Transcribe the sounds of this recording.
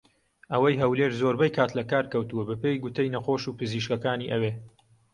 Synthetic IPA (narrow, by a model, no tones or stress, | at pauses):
ʔɐwɐjɦɐwleɾzoːɾbɛjkʰaːt̪lɐkaːɾkɐwt̪uwɐbɨpejɡʊt̪ʰəjnɐxoːʃuːpɨziːʃkɐkaːniːʔɐweː